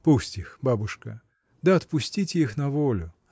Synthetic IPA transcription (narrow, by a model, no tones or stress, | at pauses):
pusʲtʲixbabʊʂkə̰ | d̪aɐt̪pʊsʲtʲitʲixnɐvolʲʊ